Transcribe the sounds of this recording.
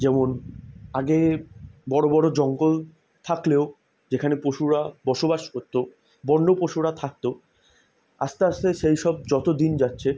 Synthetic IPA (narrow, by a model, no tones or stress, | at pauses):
d͡ʑɛmonaɡebɔɽobɔɽod͡ʑɔŋɡol | t̪ʰakleo | d͡ʑekʰanepɾoʃuɾabɔʃobaʃkoɾt̪o | bɔnɖopɾoʃuɾat̪ʰak̚t̪o | a̰st̪east̪eʃejʃɔb̚d͡ʑɔt̪od̪ind͡ʑatːɕʰe